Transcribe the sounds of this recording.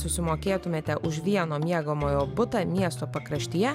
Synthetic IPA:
sʊsʲɪmoːkʲeːt̪ʊmʲeːt̪ʲɛʔʊʃʋʲiɛnoːmʲiɛɡomoːjoːbʊt̪ɐmʲiɛst̪oːpɐkɾɐʃʲt̪ʲɪjɛ

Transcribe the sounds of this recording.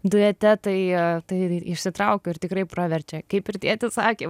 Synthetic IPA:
d̪ʊɛt̪ʲɛt̪ɐɪt̪ɐɪɪʃʲsʲɪt̪ɾɐʊkʲʊɪrt̪ʲɪkɾɐɪprɐʋʲɛrʲt͡ʃʲɛkɐɪpɪɾt̪ʲiɛt̪ʲɪsɑːkʲeː

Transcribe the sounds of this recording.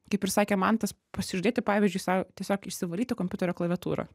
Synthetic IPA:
kɐɪpʲɪɾsɑːkʲemɐnt̪ɐs | pɐsʲɪʒʲʊd̪ʲeːt̪ʲɪpɑːʋʲɪzʲd͡ʒʲʊɪsɑt̪ʲiɛsʲoːkɪʃʲsʲɪʋɐlʲiːt̪ʲɪkompʲʊt̪ʲɛɾʲoːklˠɐʋʲɛt̪ṵːɾo̰

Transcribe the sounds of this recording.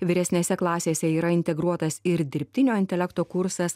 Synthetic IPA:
ʋʲɪɾʲɛsʲnʲeːsʲɛklˠɑːsʲeːsʲɛiːɾɐɪnʲt̪ʲɛɡɾuɔt̪ɐsɪɾd̪ʲɪɾʲpʲt̪ʲɪnʲoːɪnʲt̪ʲɛlʲɛkt̪oːkʊɾsɐs

